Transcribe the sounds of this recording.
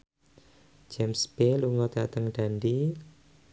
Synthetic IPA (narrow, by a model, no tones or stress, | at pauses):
d͡ʒɛmsb̥eluŋɔd̪dat̪əŋɖ̥anɖi